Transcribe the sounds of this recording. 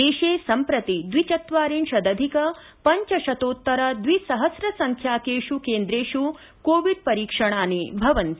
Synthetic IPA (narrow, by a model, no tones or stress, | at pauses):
eːʃeːsɐmpɾɐt̪id̪ʋit͡ʃɐt̪ʋaːɾiːnʃɐd̪ɐd̪ʱikɐ | pɐɲt͡ʃɐʃɐt̪oːt̪ːɐɾɐd̪ʋisɐɦɐsɾɐsɐŋkʰjaːkeːʂukeːnd̪ɾeːʂu | koːʋiɖ̚pɐɾiːkʂɐɳaːnibʱɐʋɐnt̪i